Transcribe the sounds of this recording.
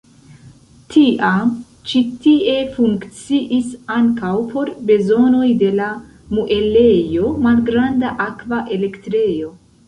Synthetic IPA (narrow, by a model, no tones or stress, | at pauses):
tʰiʔa | t͡ʃitie̞fuŋkt͡siʔisaŋkawpʰo̞ɾbe̞zo̞no̞jde̞la | muʔele̞jo̞malɡɾandaʔakvaʔe̞le̞ktɾe̞jo̞